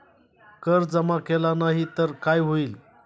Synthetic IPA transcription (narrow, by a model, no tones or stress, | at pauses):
kəɾd͡zəmakelanaɦit̪əɾkajɦoiːl